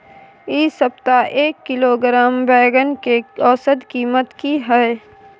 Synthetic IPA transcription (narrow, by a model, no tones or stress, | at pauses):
iːsəpt̪aʔeːkːɪloɡɾaːmbɛːɡənkeɔːsəd̪kiːmət̪kiɦɛ